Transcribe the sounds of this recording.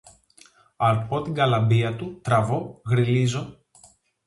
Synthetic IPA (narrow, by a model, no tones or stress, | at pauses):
ɐɾpo̞t̪iŋɡɐlɐmbiɐt̪ut̪ɾɐvo̞ɣɾilizo̞